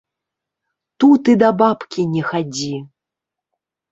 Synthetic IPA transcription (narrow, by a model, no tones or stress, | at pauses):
t̪ut̪ɨd̪ɐbapkʲinʲɛxad͡zʲi